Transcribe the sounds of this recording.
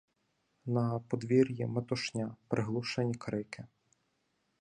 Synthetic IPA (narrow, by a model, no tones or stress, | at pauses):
nɐpɔd̪ʋʲiɾʲjimet̪ɔʃnʲapɾʔɪɦlˠuʃenʲikɾɪkɪ